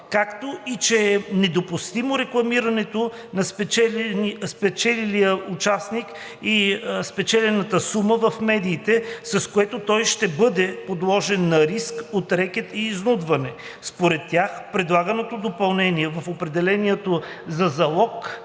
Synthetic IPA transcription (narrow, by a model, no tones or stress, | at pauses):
kakt̪oit͡ʃɛnɛd̪opust̪imoɾɛklˠɐmiɾɐnɛt̪o | nɐspɛt͡ʃɛspɛt͡ʃɛlilijəut͡ʃasnik | ispɛt͡ʃɛlɛnɐt̪əsuməvɐfmɛd̪iːt̪ɛsɐskoɛt̪ot̪ɔjʃt̪ɛbɤd̪ɛpod̪lˠɔʒɛnːɐɾiskot̪ɾɛkʲɛt̪iːznud̪vɐnɛ | spoɾɛt̪ːjaxpɾɛd̪lˠaɡənot̪od̪opɐlˠnɛniɛvɐfopɾɛd̪ɛlɛniɛt̪ozɐzɐlˠɔk